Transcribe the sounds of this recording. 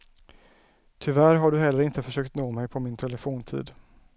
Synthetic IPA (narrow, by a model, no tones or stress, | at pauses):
t̪ʰʏvæɾɦaɖɵɦɛlːəɾɪnt̪əfœʂøːkt̪noːmɛjpʰɔmɪnt̪ʰɛləfoːnt̪ʰḭːd̪